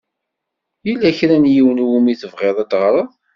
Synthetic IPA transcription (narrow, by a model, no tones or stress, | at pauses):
jilːæçɾænjiwənwumiθəvʁeðˤæd̪ʁɾˤəðˤ